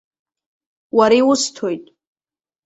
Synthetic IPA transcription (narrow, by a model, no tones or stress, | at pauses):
waɾiwʊstʰo̞jtʼ